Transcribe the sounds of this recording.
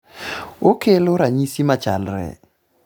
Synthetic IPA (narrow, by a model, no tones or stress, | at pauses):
okeloɾaɲisimat͡ʃa̰lrɛ̰